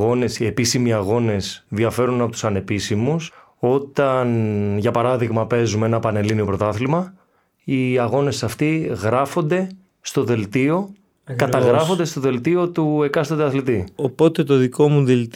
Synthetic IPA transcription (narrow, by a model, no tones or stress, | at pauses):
ɣo̞ne̞sie̞pisimiɐɣo̞ne̞sðiɐfe̞ɾunɐpot̪u̥sɐne̞pisimus | o̞t̪ɐnʝɐpɐɾɐðiɣmɐpe̞zumeenɐpɐne̞linio̞pɾo̞t̪ɐθlmɐ | iɐɣo̞ne̞sɐft̪iɣɾɐfo̞nd̪e̞ | st̪o̞ðe̞lt̪io̞ | kɐt̪ɐɣɾɐfo̞nd̪e̞st̪o̞ðe̞lt̪io̞t̪ue̞kɐst̪od̪ɐθlit̪iopo̞t̪e̞t̪o̞ðiko̞muðelt̪